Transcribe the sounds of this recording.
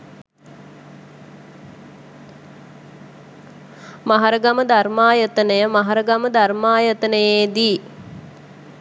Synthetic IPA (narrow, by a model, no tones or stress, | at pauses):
maɦaɾəɡaməd̪armaːjət̪ənəjəmaɦɐɾəɡaməd̪armaːjət̪ənəjeːd̪iː